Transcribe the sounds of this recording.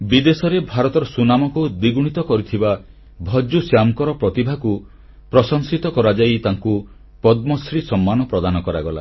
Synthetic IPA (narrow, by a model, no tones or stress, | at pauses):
bid̪esɔɾebʱaɾɔt̪ɔɾɔsunamɔkud̪iɡuɽ̃it̪ɔkɔɾit̪ʰiba | bʱɔd͡ʒusjamkɔɾɔpɾɔt̪ibʱaku | pɾɔsɔŋsit̪ɔkɔɾad͡ʒajt̪aŋku | pɔd̪mɔsɾisɔmːanɔpɾɔd̪anɔkɔɾaɡɔla̰